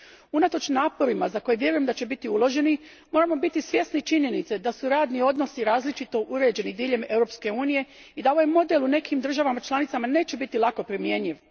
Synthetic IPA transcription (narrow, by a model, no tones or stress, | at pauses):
unat̪o̞t͡ʃnaːpo̞ɾimazako̞jeʋje̞ɾujemd̪at͡ɕe̞bit̪iulˠo̞ʒe̞ni | mo̞ɾamo̞bit̪isʋje̞snit͡ʃiɲe̞nit̪sed̪asuɾaːd̪nio̞d̪no̞siɾaːzlit͡ʃit̪o̞ʔuɾe̞ːd͡ʑe̞nid̪iːʎe̞me̞wɾo̞pske̞uːnije̞id̪ao̞ʋajmo̞d̪elˠune̞kʰimd̪r̩ʒaʋamat͡ʃlˠanit̪samaneːt͡ɕe̞bit̪ilˠako̞pɾimje̞ɲiʋ